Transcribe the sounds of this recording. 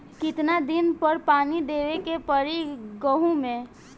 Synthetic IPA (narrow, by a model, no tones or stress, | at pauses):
kɪt̪nad̪ɪnpəɾpaːnid̪eːʋekepəɾiɡəɦõmẽ